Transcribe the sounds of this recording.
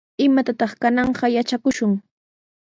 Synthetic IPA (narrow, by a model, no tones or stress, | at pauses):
ɪmat̪at̪ɑχkanɑɴɢɑjat͡ʃakʊʃʊŋ